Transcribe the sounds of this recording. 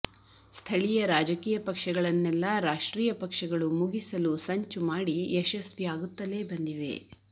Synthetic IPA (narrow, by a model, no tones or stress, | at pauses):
st̪ʰɐɭijɐɾaːd͡ʒɐkiːjɐpɐkʂɐɡɐɭɐnːɛlːɐɾaːʂʈɾiːjɐpɐkʂɐɡɐɭumuɡisɐlusɐɲt͡ʃumaːɽiɛʃɐsʋiaːɡut̪ːɐle̞ːbɐnd̪iʋḛ